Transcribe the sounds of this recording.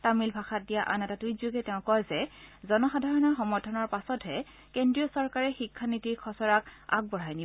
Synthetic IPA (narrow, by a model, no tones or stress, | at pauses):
tamilbʱaxat̚dijaʔanɛtatujzuɡɛtɛʊ̃kɔjzɛzɔnɔxadʱaɹɔnɔɹxɔmɔɹtʰɔnɔɹpasɔtɦɛ | kendɹijɔsɔɹkaɹɛxikʰːanitiɹkʰɔsɔɹaka̰ɡ̚bɔɹajni